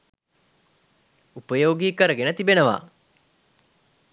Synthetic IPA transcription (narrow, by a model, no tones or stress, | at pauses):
upəjoːɡiːkəɾəɡenət̪ibenəʋa̰ː